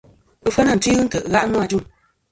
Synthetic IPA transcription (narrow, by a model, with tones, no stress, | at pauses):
ɨ˦fə˦na˦˨ti˦ɣɨ˦n̩˦tə˨ʔɣa˦ʔnɔ˦a˨d͡ʒu˦˨m